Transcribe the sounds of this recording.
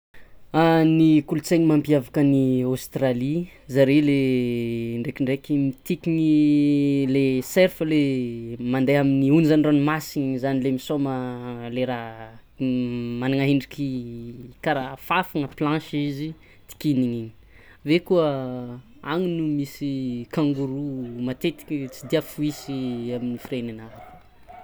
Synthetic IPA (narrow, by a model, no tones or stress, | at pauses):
anikulut͡seɲimampiavakəniost̪ralizaɾele | ɳɖ͡ʐekiɳɖ͡ʐekʲimit̪ikiŋi | leseɾfəlemand̪ejaminiunizanranimasiɲzanilemisoməleɾa | manaŋaɦeɳɖ͡ʐikʰi | kaɾafafaŋəplãʃizi | t̪i̥kiniɲii̥ | vekuə | aŋinumisikãŋɡuɾumat̪et̪i̥kit͡sid̪iafuisiaminifiɾenanaɾ